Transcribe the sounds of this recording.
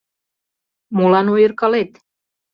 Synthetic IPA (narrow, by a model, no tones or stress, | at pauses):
mulɑnojərkɑlet̪